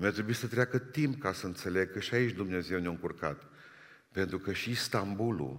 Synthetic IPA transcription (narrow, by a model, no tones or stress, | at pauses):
mʲat̪ɾebuisət̪ɾeakət̪imp̚kasəɨnt̪sele̞ɡ̚kəʃiait͡ʃʲd̪umneze̞wnoɨŋkurkat̪ | pe̞nt̪ɾukəʃist̪ambulṵ